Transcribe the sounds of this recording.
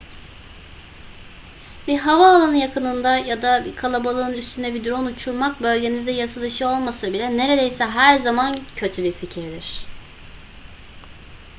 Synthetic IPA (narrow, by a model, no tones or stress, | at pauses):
biɦavaolˠanɯjakʰɯnɯnd̪ajad̪abikʰalˠabalˠɯːnyst̪ʰynd̪ɛbid̪ɾo̞nut͡ʃʰuɾmak̚bø̞lʲɟe̞nizd̪ɛjasad̪ˠɯʃɯo̞lˠmasɯbilʲɛne̞ɾe̞d̪ejsɛɦæɾzamancʰø̞t̪ʰybiɾficʰiɾd̪iɾ̝̥